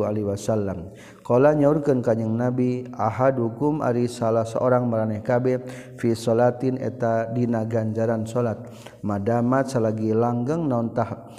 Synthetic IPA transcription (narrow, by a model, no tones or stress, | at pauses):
aliwasalːam | kolaɲaurkənkaɲəŋnabiaɦadɦukumʔa̰ɾisalasə̰ʔoɾaŋməɾanɛhkabɛfisɔlat̪inɛ̰t̪adinaɡand͡ʒaɾansolat̪̚ | madamat̪salaɡilaŋɡəŋnɔnt̪ah